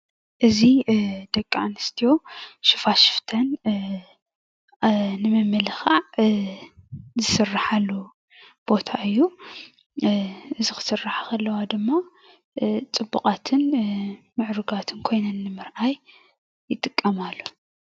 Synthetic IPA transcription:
ʔɨzid̪ɐkʼːanɨst̪ʰijo̞ʃɪfaʃɪ̥ft̪ʰɐn | nɨmɨmːɨlɐxaʕ | zɨsɨrːaħalːu | b̥o̞t̪ʰaʔɨjːu | ʔɨzixɨ̥sɨrːaħḁkʰɐlːɐwad̪ɨmːa | t͡sʼɨbːukʼat̪ʰɨn | mɨʕɾuɡat̪ʰɨnkʰo̞jnɐnːɨmɨɾʔajː | ɪt̪ʼɨkʼːɐmalːu

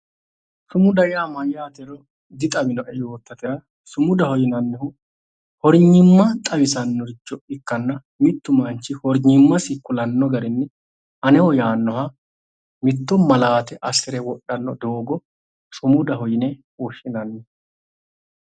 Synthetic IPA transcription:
sʊmʊd̪ɐjɪaːmɐjːaːt̪ɛɾɔ | d̪ɪt̪ʼɐmɪnɔʔɛjoːt̪ːɐt̪ɛɾɐ | sʊmʊd̪ɐhɔjɪnɐnːɛhʊ | hɔɾɲːɪmːɐt̪ʼɐwɪsɐnːɔɾɪt͡ʃːɔɪkːɐnːɐ | mɪt̪ːʊmɐnt͡ʃːɪhɔɾɲɪmːɐsɪkːʊlɐnːɔɡɐɾɪnːɛ | ʔɐnɛwɔjaːnːɔha | mɪt̪ːɔmɐlaːt̪ɛʔɐsɛɾɛwɔɗɐnːɔd̪oːɡɔ | sʊmʊd̪ɐhɔjɪnɛ | wɔʃːɪnɐnːɛ

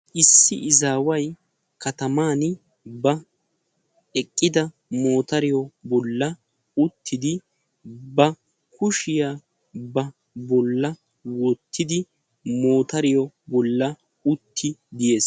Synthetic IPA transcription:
ʔɪsːɪʔɪzaːwɐj | kʰɐt̪ɐmaːn | bɐ | ɛkʼːɪd̪ɐ | mo̞ːt̪ɐɾɪjɔbɔlːɐ | ʊt̪ʰːɪd̪ɪ | bɐ | kʊʃɪjaː | bɐ | bɔlːɐ | wɔt̪ʰːɪd̪ɪ | mo̞ːt̪ɐɾɪjɔ | bɔlːɐ | ʊt̪ʰːɪd̪ɪje̞ːs

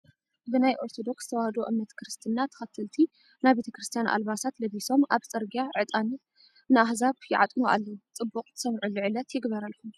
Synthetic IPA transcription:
bɨnajʔo̞ɾt̪ʰo̞d̪o̞kst̪ʰɐwahd̪oʔɨmnɐt̪kʰɾɨst̪ʰɨnːat̪ʰɐ̥xɐt̪ʰːɨlt̪ʰi | nabe̞t̪ʰɐkɾɨst̪ʰijanʔa̰lbasat̪lɐβiso̞mʔaβt͡sʼɐɾɡijaʕɨt̪ʼani | nɨʔahzaβjɪʕa̰t̪ʼmuʔa̰lːɐut͡sʼɨbːukʼt̪ɨ̥sɐmʕuluʕɨlɐt̪jɪɡbɐɾalxum

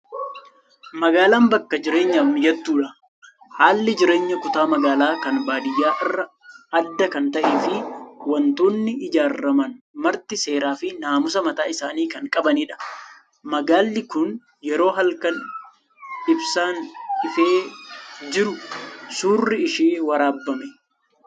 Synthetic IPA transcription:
mɐɡaːlaːmbɐkːɐd͡ʒɪɾe̞ːɲːɐmmɪd͡ʒɛt̪ːuːᶑɐ | haːlːɪd͡ʒɪɾe̞ːɲːɐkʊt̪aːmɐɡaːlaːkɐnbaːd̪ɪjːaːʔɪrːɐ | ɐd̪ːɐkɐnt̪ɐʔeːfɪwɐnt̪oːnːɪɪd͡ʒaːrːɐmɐn | mɐɾt̪ɪse̞ːɾaːfɪnaːmʊsɐmɐt̪aːɪsaːniːkɐŋkʼɐbɐniːᶑɐ̥ | mɐɡaːlːɪkʊn | jɛɾo̞ːɦɐlkɐn | ɪbsaːnɪfe̞ːd͡ʒɪɾʊsuːrːɪɪʃiːwɐɾaːbːɐmɛ

